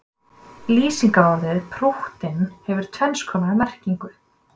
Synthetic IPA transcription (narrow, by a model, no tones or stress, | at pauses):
liːsiŋkaɔɾðɪðpʰɾuht̪ɪnhɛvʏɾ̥t̪ʰvɛnskʰɔːmaðɪmɛr̥ciŋkʏ